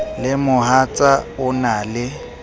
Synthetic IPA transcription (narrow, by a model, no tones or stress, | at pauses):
lɪmʊɦat͡sʼaʊnaːlɪ